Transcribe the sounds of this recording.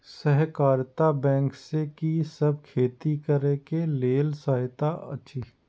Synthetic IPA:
sɛɦkaːɾt̪abɛ̃ːŋksekisɐb̚kʰeːt̪ikəɾekeleːlsaːɦɪt̪aʔɐ̰tːʃʰi

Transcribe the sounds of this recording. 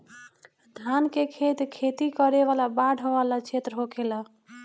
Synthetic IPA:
d̪ʱankekʰet̪kʰet̪ikəɾeʋalabaɽʱəʋalat͡ʃʰet̪ɾəɦokʰela

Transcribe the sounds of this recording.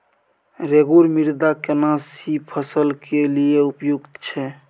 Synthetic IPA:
ɾeɡuɾmiɾd̪akenasipʰəsəlkelieupjuɡt̪t͡ʃʰɛ

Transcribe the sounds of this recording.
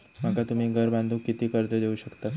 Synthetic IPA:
m̤əkat̪um̤iːɡʱəɾband̪ʱuːkːit̪iːkəɾt̪əd̪euːɕəkt̪a

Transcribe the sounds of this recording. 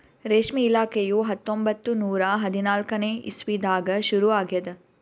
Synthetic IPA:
ɾeːʃmiːlaːkejuɦɐt̪ːombɐt̪ːunuːɾɐɦɐd̪inaːlkɐneːḭsʋid̪aːɡɐʃuɾuʋaːɡiɐd̪ɐ

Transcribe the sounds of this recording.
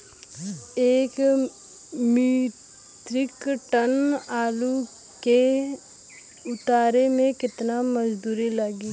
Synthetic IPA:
eːk | miː | t̪ɾɪkʈənaːlu | ke | ʊt̪aːɾemẽkɪt̪naməd͡ʒd̪uːɾiləɡi

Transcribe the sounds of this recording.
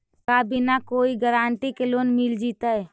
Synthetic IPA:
kaːbinakoːiɡəɾaːnʈikeloːnmɪld͡ʒiːt̪aɛ

